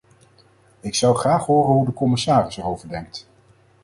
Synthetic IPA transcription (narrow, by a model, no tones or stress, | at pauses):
ɪksɑwχraːχɦʊːrənɦudəkɔmɪsaːrɪsərowvəɹdɛŋk̚t